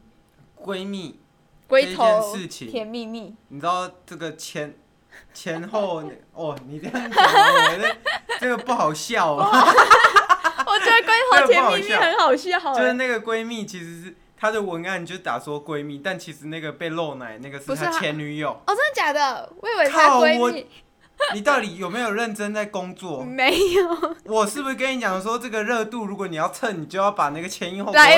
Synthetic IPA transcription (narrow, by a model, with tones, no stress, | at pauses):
kwe˥ɪmi˥˨ | kwe˥ɪ˥˧t̪ʰɛ˥˦nʂɻ̩˥˨t͡ɕʰḭ˨˩ŋʰjɛ˧˥nmi˥˧mi˥˩ni˨˩ʈ͡ʂɻ̩˦d̪ɑ˥˩ʊʈ͡ʂə˥˩ɡə˩t͡ɕʰjɛ˧˦n | t͡ɕʰjɛ˧˦nxo˥˨ʊ | ɔ˨˩ni˨˩tə˥˩˥ŋ˧˥ | ʈ͡ʂə˥˩ɡə˩pu˥˩xɑ˨˩ʊɕjɑ˥˨ʊ | wɔ˨˩t͡ɕɛ˧˦d̪ə˧kwe˥ɪt̪ʰo˧ə˥ɡ̪ʰjɛ˥xɑ˨˩ʊɕjɑ˥˨xə˧˦nxɑ˨˩ʊɕi˥˩˨jʂ̩˥˧na˥˩ɡə˩kwe˦ɪmi˥˩t͡ɕʰi˧˥ʂɻ̩˧˦˥ | t̪ʰa˥d̪ə˨wə˧˥na˥ni˨t͡ɕjo˥˩˥t̪a̰˨˩swɔ˦kwe˥ɪmi˥˨t̪a˥˩nt͡ɕʰi˧˥ʂɻ̩˧˥na˥˩ɡə˩pe˥˧lo˥˩ʊna˨˩ɪna˥˩ɡə˩ʂɻ̩˥˧˩t̪ʰa˥t͡ɕʰjɛ˧˦ny˧˥jo˨˩ŋɔ˨˩t͡sə˥ə˧˩t͡ɕja˨˩ŋd̪ə˧we˥˩ɪwe˨˩a˥˩e˥ɪwɔ˧˩i˥˨ | i˨˩t̪ɑ˥˩ʊt̪i˨˩jo˨˩ʊme˧˥ɪjo˨˩ʊɻə˥˩nʈ͡ʂə˥˦nt͡sa˥˩ɪkʊ˥˦ŋt͡swɔ˥˨me˧˥ɪjo˨˩wɔ˨˩ʂɻ̩˥˩bu˧˩˥k̬ə˦ni˧˥t͡ɕjɑ˨˩ŋ˦ʂ̬wɔ˦˥ʈ͡ʂə˥˩ɡə˨ɻɤ˥˧t̪u˥˧ɻu˧˥kwɔ˧˦ni˨˩jɑ˥˧ʊt͡sʰə˥˩ni˨˩t͡ɕjo˥˧ʊjɑ˥˩ʊpa˨˩na˥˩ɡə˩t͡ɕʰjɛ˧˥ni˥˧xo˥˧a˧˦